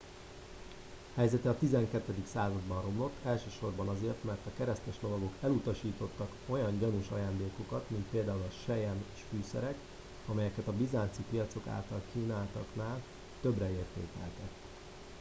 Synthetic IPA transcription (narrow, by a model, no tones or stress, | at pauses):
hɛjzɛt̪ɛɒt̪izɛŋkɛt̪ːɛd̪iksaːzɒd̪bɒnro̞mlo̞t̪ʰːɛlʃøːʃo̞rbɒnɒzeːrt̪mɛrt̪ɒkɛɾɛst̪ɛʃlo̞vɒɡo̞kɛlut̪ɒʃiːt̪o̞t̪ːɒko̞jɒɲɟɒnuʃɒ̰jaːnd̪eːko̞kɒt̪mint̪̚peːld̪aːulɒʃɛjɛnʃfyːsɛ̰ɾɛk | ɒmɛjɛkɛt̪ɒbizaːnt̪sipijɒt̪so̞ka̰ːlt̪ɒlkiːnaːlt̪ɒknaːl | t̪øbrɛeːrt̪ḛːkɛ̰lt̪ɛt̪ː